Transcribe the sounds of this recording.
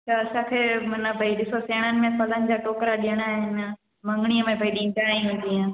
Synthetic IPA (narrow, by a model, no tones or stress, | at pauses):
t͡ʃʰɐːsãkʰeːmɐnɐpɐiɗɪsoseːɽ̃ənɪ̆mẽpɐlənɪ̆d͡ʑaːʈoːkɾaɗijəɽ̃aːɦɪn | mɐ̃ŋɡɽ̃iəmẽpɐiɗĩnʈaːĩɦʊ̃ːn̆d̪ijã